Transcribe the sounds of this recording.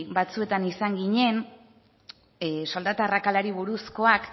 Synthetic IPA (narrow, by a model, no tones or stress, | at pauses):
bat͡sue̞t̪anisaŋɡiɲe̞n | so̞ld̪at̪arakalaɾiβuɾusko̞ak